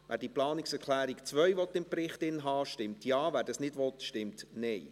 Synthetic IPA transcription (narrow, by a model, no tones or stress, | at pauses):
væːɾd̥iːplɑːnɪksɛɾkʰlæːɾikt͡sʋœʏjʋɔt̪ːɪmpɾɪχtɪnɦɑːʃtɪmtjɑːvæːɾdɑsnɪdʋɔt̪ʃtɪmtnɛj